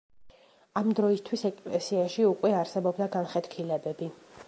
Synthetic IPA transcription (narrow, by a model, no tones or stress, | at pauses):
amd̪ɾɔist̪ʰwisɛkʼlɛsiaʃiukʼwɛaɾsɛbɔbd̪aɡanχɛt̪kʰilɛbɛbi